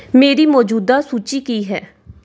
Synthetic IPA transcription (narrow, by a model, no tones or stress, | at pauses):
meːɾiːmɔːd͡ʒuːd̪aːsuːt͡ʃiːkiːɦɛ̰ː